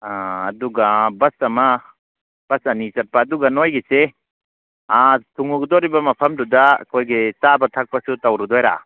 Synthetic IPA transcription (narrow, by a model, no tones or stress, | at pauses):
aːduɡabɐsɐmɐ | b̥ɐsɐnisɐt̚paːduɡɐnojɡese | atʰuŋuɡdɔɾibɐmɐpʰɐmduda̰kʰojɡet͡ʃabɐtʰak̚pɐsutɐwɾudɔjɾa̰